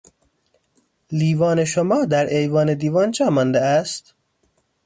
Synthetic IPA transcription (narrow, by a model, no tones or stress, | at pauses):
liːvɒːneʃomɒːd̪æɾʔejvɒːned̪iːvɒːnd͡ʒɒːmɒːnd̪eæst̪